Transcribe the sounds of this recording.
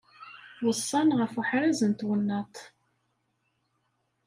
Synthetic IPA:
wəsˤːɑnʁəfuħɾæzənt̪wənːæt̪ˤ

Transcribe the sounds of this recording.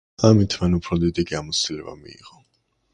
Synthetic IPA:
amit̪ʰmanupʰɾɔd̪id̪iɡiamɔt̪silɛba̰mḭːʁɔ

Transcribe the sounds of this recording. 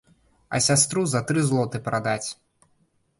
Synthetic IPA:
ɐ̰sʲast̪ɾuzɐt̪ɾɨzlˠɔt̪ɨpɾad̪at͡sʲ

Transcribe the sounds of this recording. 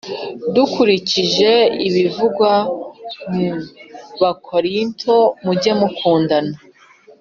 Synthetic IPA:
dukuɾiciʒe̞iβivuɡwa | mu | βakʰoɾintʰo̞muɟemukʰuːndana

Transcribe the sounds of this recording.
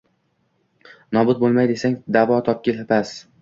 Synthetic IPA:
nɒbʊt̪̚bolˠmajd̪esaŋd̪avɒt̪ʰɒp̚kʲɪlapas

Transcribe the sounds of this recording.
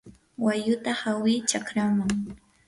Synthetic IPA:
wajʊt̪ahawɪːt͡ʃakɾamaŋ

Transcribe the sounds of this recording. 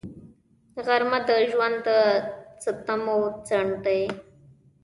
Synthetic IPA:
ɣaɾmad̪əʒwand̪ət͡sət̪amot͡saɳʈəj

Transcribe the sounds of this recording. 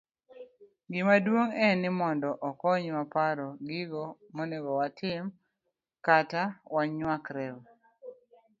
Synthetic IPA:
ɡɪmadwoŋɛnɪmɔndɔʔɔkɔɲwapaɾɔɡɪɡɔ | monɛɡɔwatʰɪm | katawaɲwakɾɛw

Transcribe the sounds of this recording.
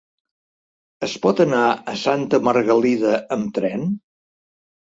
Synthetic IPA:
əspɔt̪ənaəsant̪əməɾɣəliðəəmt̪ɾɛn

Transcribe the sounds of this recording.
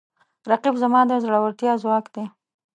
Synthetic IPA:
ɾaqibzamɑd̪əzaɽawaɾt̪jɑzwɑkd̪e

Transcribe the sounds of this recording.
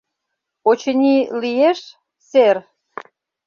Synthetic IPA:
ot͡ɕənʲilieʃ | ser

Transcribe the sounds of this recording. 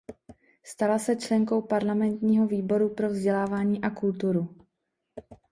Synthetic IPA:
st̪alasɛt͡ʃlɛŋko̞wpaɾlamɛnt̪ɲiːɦo̞viːbo̞ɾupɾo̞vzɟɛlaːvaːɲiːʔakult̪uɾu

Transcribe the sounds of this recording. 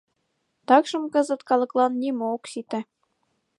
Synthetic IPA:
t̪ɑkʃɤ̆mkɤ̆zɤ̆t̪kɑlɤ̆klˠɑnːʲimooksit̪æ̆

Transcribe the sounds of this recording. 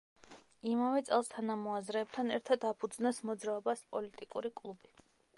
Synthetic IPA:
imavɛt̪sʼɛ̰lˠst̪ʰanamɔazɾɛːb̚t̪ʰanɛɾt̪ʰad̪apʰud̪znasmɔd̪zɾaɔbaspʼɔlit̪ʼikʼṵɾikʼlˠubi

